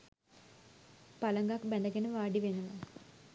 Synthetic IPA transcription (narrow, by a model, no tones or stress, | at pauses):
paləŋɡakbænd̪əɡenəʋaːɖiʋenuʋə